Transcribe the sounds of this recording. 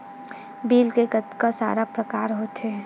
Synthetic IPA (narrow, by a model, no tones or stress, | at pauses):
biːlkekət̪kasa̰ːɾapɾəkaːɾɦoːt̪ɦɛː